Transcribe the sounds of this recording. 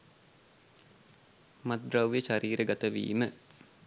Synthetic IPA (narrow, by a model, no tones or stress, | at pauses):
mad̪ɾawʋjəʃaɾiːɾəɡat̪əʋḭːmə